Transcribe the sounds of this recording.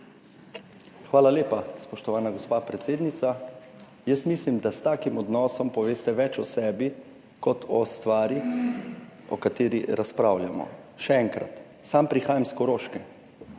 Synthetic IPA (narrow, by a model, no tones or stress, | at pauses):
xʋaːlaleːpaspɔʃt̪ɔʋaːnaɡɔspaːpɾɛt̪seːd̪nit̪sa | jəsmiːslimd̪ast̪aːkimɔd̪nɔːsɔmpɔʋeːst̪ɛʋɛt͡ʃɔsɛːbi | kɔt̪ʰɔst̪ʋaːɾi | ɔ̰kat̪eːɾiɾaspɾawljamɔ̰ | ʃɛɛŋkɾa̰t̪ | sampɾixaːjamskɔɾoːʃkɛ